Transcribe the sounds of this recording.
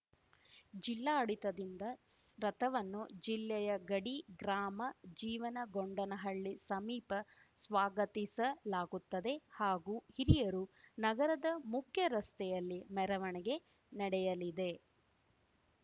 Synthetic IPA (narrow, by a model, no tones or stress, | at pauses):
d͡ʒilːaːɐɽit̪ɐd̪ind̪ɐɾɐt̪ʰɐʋɐnːud͡ʒilːɛjɐɡɐɽiɡɾaːmɐd͡ʒiːʋɐnɐɡoɳɖɐnɐɦɐɭːisɐmiːpɐ | sʋaːɡɐt̪isɐlaːɡut̪ːɐd̪e̞haːɡuhiɾijɐɾunɐɡɐɾɐd̪ɐmukʰjɐɾɐst̪ɛjɐlːimɛɾɐʋɐɳɛɡe̞ | nɐɽɛjɐlid̪e̞